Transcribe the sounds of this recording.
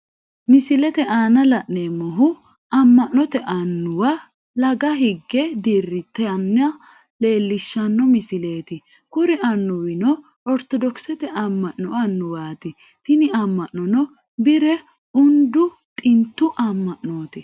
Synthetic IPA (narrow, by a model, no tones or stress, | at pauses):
mɪsɪlɛt̪ɛʔaːnɐlɐʔneːmɔɦʊ | ɐmːɐʔnɔt̪ɛʔɐnːʊwa | lɐɡɐɦɪɡːɛd̪iːrːɪt̪ɛnːɪɐ | le̞ːlːɪʃːɐnːɔmɪsɪle̞ːt̪ɪ | kʊɾɪʔɐnːʊwɪnɔ | ɔɾt̪ɔd̪ɔksɛt̪ɛʔɐmːɐʔːɔɐnːʊwaːt̪ɪ | t̪ɪnɪɐmːɐʔːɔnɔ | bɪɾɛ | ʊnd̪ʊ | t̪ʼɪnt̪ːʊʔɐmːɐʔnoːt̪ɪ